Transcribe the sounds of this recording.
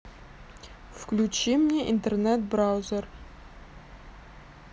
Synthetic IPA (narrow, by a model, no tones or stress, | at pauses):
fklʲʉt͡ɕimnʲeʔḭnt̪ernɛt̪̚bɾawzʲer